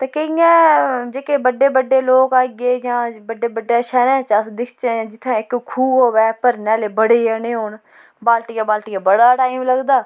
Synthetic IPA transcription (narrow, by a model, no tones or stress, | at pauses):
t̪eːkəĩːɛ̃ːd͡ʒeːkeːbəɖeːbəɖːeːloːkaːɡeːjãːbəɖeːbəɖːaːʃɛːɾɛ̃ːt͡ʃəsd̪ɪkʰt͡ʃed͡ʒɪt̪ʰːãːɪkkʰuːɦoːʋɛːpəɾnaːleːbəɽeːjəːnẽːɦoːn | baːlʈijaːbaːlʈijaːbəɽaːʈaːimləɡd̪aː